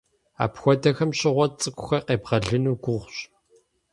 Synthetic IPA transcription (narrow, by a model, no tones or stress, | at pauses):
a̰ːpxʷɔdɐxɐmɕɪʁʷɔt͡sʼɨkʷʰʼʊxɐqeːbʁɐɮɨnuːɡʷʊʁʷɕ